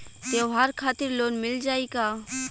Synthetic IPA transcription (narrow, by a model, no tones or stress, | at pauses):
t̪eɦaɾkʰaːt̪ɪɾloːnmɪld͡ʒaːikaː